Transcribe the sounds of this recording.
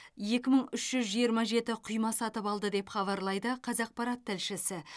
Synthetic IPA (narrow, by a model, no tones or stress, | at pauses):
je̞kʲɪməɴʏʃʒ̥ʏzʒijəɾmɑʒe̞t̪ɪqʰʊjmɑsɑt̪əpɑlˠd̪əd̪e̞pχɑβɑɾlˠɑjd̪əqʰɑzɑq̚pɑɾɑt̪ʰːɪlʃɪsɪ